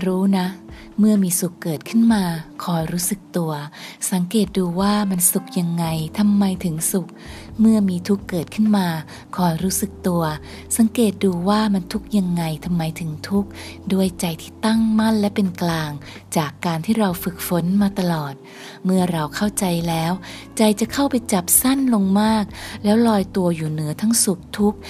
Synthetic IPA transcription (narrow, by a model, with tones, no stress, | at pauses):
ɾuː˦˥na˦˥ | mɯ˥˩ɐmiː˧su˨˩kːɤː˨˩t̪̚kʰɯ˥˩nmaː˧kʰɔː˧jɾuː˦˥sɯ˨˩k̚t̪u˧ɐsa˩˦ŋkeː˨˩t̪̚duː˧waː˥˩ma˧nsu˨˩k̚ja˧ŋːa˧jt̪ʰa˧mːa˧jt̪ʰɯ˩˦ŋsu˨˩k̚ | mɯ˥˩ɐmiː˧t̪ʰu˦˥kːɤː˨˩t̪̚kʰɯ˥˩nmaː˧ | kʰɔː˧jɾuː˦˥sɯ˨˩k̚t̪u˧ɐ | sa˩˦ŋkeː˨˩t̪̚duː˧waː˥˩ma˧nt̪ʰu˦˥k̚ja˧ŋːa˧jt̪ʰa˧mːa˧jt̪ʰɯ˩˦ŋt̪ʰu˦˥k̚du˥˩əjt͡ɕa˧jt̪ʰiː˥˩t̪a˥˩ŋma˥˩nlɛ˦˥pe˧nklaː˧ŋ | t͡ɕaː˨˩kːaː˧nt̪ʰiː˥˩ɾa˧wfɯ˨˩k̚fo˨˩˦nmaː˧t̪a˧lɔː˨˩t̪̚ | mɯ˥˩ɐɾa˧wkʰa˥˩wt͡ɕa˧jlɛː˦˥wt͡ɕa˧jt͡ɕa˨˩kʰa˥˩wpa˧jt͡ɕa˨˩p̚sa˥˩nlo˧ŋmaː˥˩k̚lɛː˦˥wlɔː˧jt̪u˧ɐjuː˨˩nɯ˩˦ɐt̪ʰa˦˥ŋsu˨˩k̚t̪ʰu˦˥k̚